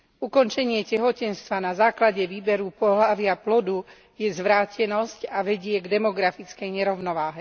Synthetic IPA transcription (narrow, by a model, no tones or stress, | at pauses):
ukɔnt͡ʃɛɲɪɛcɛɦɔcɛnst̪ʋanazaːklaɟɛʋiːbɛɾupɔɦlaʋɪaplɔd̪u | jɛzʋɾaːcɛnɔscaʋɛɟɪɛɡd̪ɛmɔɡɾafit͡skɛjɲɛɾɔʊnɔʋaːɦɛ